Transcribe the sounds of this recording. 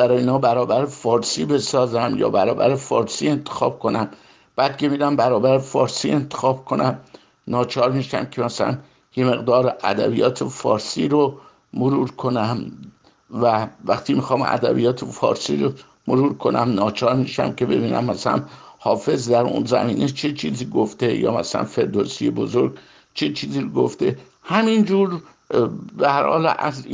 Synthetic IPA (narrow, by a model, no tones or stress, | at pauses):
bæɾɒːjeinɒːbæɾɒːbæɾefɒːɾsiːbe̞sɒːzæmjɒ̰ːbæɾɒːbæ̰ɾefɒːɾsiːe̞nt̪ʰe̥xɒːb̥̚kʰo̞næm | b̥æːd̪̚kʰe̞mid̪æmbæɾɒːbæɾefɒːɾsiːe̞nt̪ʰe̥xɒːb̥kʰo̞næm | nɒːt͡ʃʰɒːɾmiːʃæ̰mcʰemæsælæ̰n | je̞me̞ɣd̪ɒːɾæ̰d̪æ̰bijɒːt̪ʰefɒ̰ːɾsiːɾo | moɾuːɾkʰo̞næm | vævæxt̪ʰiːmixɒːmʔæ̰d̪æ̰bḭjɒːt̪ʰefɒ̰ːɾsiːɾo | moɾuːɾkʰo̞næmnɒːt͡ʃʰɒːɾmiːʃæ̰mcʰe̞be̞̰biːnæ̰mːæsælæ̰nhɒːfe̞zd̪æɾṵnzæ̰miːnʔe̞t͡ʃʰet͡ʃʰiːziːɡoft̪e̞jɒ̰ːmæsælæ̰nfe̞ɾd̪osijebozoɾɡ | t͡ʃʰet͡ʃʰiːziːɾoɡoft̪e̞ | hæmind͡ʒuːɾ | behæɾhɒ̰ːlæ̰z